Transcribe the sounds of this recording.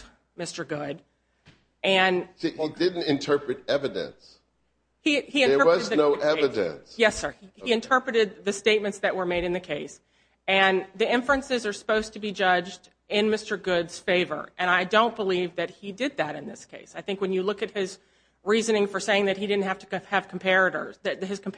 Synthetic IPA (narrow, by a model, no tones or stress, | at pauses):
mɪstə˞ɡʊd | ʔɨ̃nsiidɪdⁿn̩tɨ̃ntʰɜ˞pɹɨɾɛvɨdɨ̰̃ns | hiiɨ̃ə˞ɜ˞ʌɨz̚ðnoʊʔɛɨdɨ̰̃nsjɛsə˞ihiɨ̃ntʰɜ˞pɹɨɾɨd̪̚ðɨsteɪt̚mɨ̃ntsðɨʔ̚wə˞meɪɾɨ̃nðɨkʰeɪs | ɨ̃nðiɪ̃ɱfɹɨ̃nsɨzə˞sə̥poʊz̥tʰɨbid͡ʒʌd͡ʒd | ɪ̃nmɪstə˞ɡʊdz̥feɪvə̰˞ʔɨ̃ñaɪdõʊ̃nb̥əlivðɨt̚hidɪd̪̚ðɨɾɨ̃nðɪskʰeɪsaɪθɪ̃ŋkwɨ̃njɨlʊkɨt̚hɪz | ɹizɨnɪ̃ŋfə˞seɪɪ̃ŋðɨt̚hidɪdⁿn̩t̚hæftɨ̥ɨv̥kʰm̩pʰɛɹɨɾə̰˞zðɨðhɨz̥kʰm̩pʰ